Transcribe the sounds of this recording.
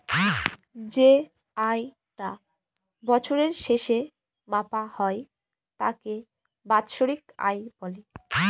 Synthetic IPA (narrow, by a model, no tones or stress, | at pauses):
d͡ʑe | aj | ʈa | bɔt͡ɕʰoɾeɾʃeʃe | mapahɔe | t̪a̰ke | bat̪ʃoɾika̰jbɔle